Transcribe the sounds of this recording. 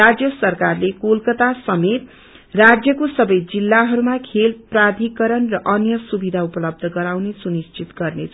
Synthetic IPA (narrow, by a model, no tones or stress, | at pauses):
ad͡zjʌsʌrkarlekolkʌt̪asʌmet̪ | rad͡zjʌkosʌbʌjd͡zilːaɦʌɾumakʰelprad̪ʱikʌɾʌnrʌʔʌnjʌsubid̪ʱaupʌlʌb̚d̪ʱʌɡʌɾawnesunist͡sit̪ɡʌrnet͡sʰ